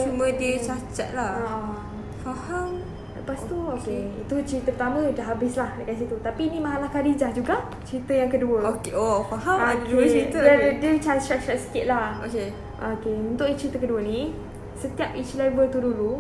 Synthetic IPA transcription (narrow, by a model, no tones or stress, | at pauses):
t͡ʃumə̃diət͡ʃat͡ʃa̰t̪̚laaʔa | faham | ləpast̪uokeit̪ut͡ʃəɾit̪əpət̪amə̃daɦabɪslahdəkansit̪ut̪apinĩmaɦalahkadid͡ʒahd͡ʒuɡaʔ | t͡ʃəɾit̪əjaŋkəduəokeofaɦaokeit̪dədət͡ʃat͡ʃat͡ʃat̪̚sə̥kɪʔ̪̚lahoke | ʔokeunt̪ʊʔit͡ʃəɾit̪əkəduəni | sət̪iapit͡ʃilavət̪udulu